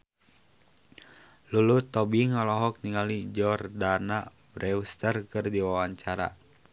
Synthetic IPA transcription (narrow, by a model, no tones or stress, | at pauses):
lulut̪ɔbiŋalɔɦɔk̚niŋalid͡ʒɔrdana | bɾɛust̪ərkɨrdiwawaɲt͡ʃaɾa̰